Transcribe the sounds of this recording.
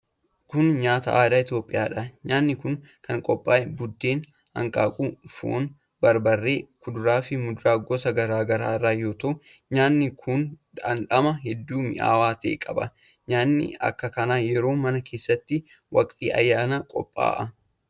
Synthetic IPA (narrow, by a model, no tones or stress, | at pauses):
kʊnɲaːt̪ɐ̰ʔaːd̪aːɪt̪jo̞ːpʼːɪjaːᶑɐɲaːnːɪkʊŋ | kɐŋkʼɔpʼːaːʔɛbʊd̪ːeːn | hɐ̰ŋkʼa̰ːkʼuːfṵʔʊn | bɐɾbɐrːe̞ːkʊd̪ʊɾaːfɪmʊd̪ʊɾaːɡosɐɡɐɾaːɡɐɾaːɪrːaːjo̞ːt̪ɐʔʊɲaːnːɪkʰʊnᶑ̪ɐnᶑɐmɐɦɛd̪ːuːmɪ̰ʔa̰ːwaːt̪ḛːkʼɐbɐ | ɲaːnːɪ̰ɐ̰kːɐkɐnaːjɛɾo̞ːmɐnɐkʰe̞ːsːɐt̪ːɪ | wɐ̰kʼt̪ʼḭːʔɐ̰jːaːnaːkʼɔ̰pʼːa̰ːʔɐ